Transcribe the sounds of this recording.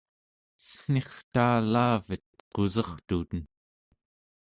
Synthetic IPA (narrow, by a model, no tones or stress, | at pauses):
sə̥n̥eχt̪aːlaːvət̪̚qo̞zɑχt̪ut̪ən